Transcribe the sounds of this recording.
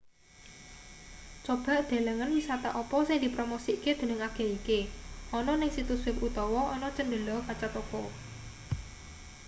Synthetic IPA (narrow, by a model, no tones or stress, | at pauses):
t͡ʃob̥a̤ʔd̪̥a̤ləŋənwisat̪aʔɔpɔsɪŋd̪̥i̤pɾomosiked̪̥ə̤nəŋaɡ̥e̤ikeɔnɔnɪŋsit̪uswɪput̪ɔwɔɔnɔt͡ʃənd̪əlɔkat͡ʃat̪okɔ